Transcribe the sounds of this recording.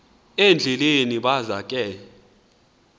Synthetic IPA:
end͡ɮʱɛleniɓazakʼɛ

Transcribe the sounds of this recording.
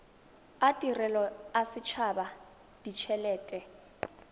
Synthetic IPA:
atʼirɛlɔasɪt͡ʃʰaba | d̥it͡ʃʰɛlɛːtʼɛ

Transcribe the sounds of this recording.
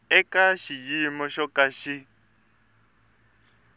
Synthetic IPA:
ɛkʼaʃijimɔʃɔkʼaʃi

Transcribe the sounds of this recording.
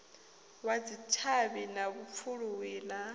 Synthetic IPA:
wad͡zit͡ʃʰaβinaβup̪fʰuɺuwiːna

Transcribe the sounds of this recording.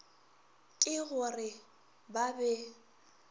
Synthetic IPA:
kʼɪɣʊrɪ | babɛ

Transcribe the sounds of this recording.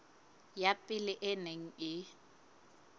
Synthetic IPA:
japʼɪlɪʔɪneŋ̩ɪ

